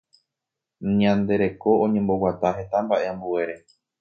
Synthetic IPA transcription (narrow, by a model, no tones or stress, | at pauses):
ɲãnd̪e̞ɾe̞ko̞õɲẽ̞mbo̞wat̪aɦe̞t̪ambaʔe̞ãmbue̞ɾe̞